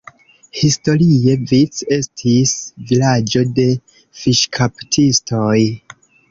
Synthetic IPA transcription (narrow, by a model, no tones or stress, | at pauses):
histo̞ɾie̞vit͡se̞stʰisvilad͡ʒo̞de̞ | fiʃkʰaptʰisto̞j